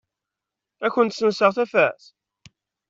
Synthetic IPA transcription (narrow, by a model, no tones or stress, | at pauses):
æçːənt̪sənsəʁθæfæθ